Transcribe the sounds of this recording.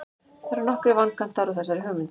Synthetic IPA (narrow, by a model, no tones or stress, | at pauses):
θaɾɪɾnɔhkɾɪvaŋkan̥t̪ːaɾɔθɛsːaɾɪɦœːmʏnt̪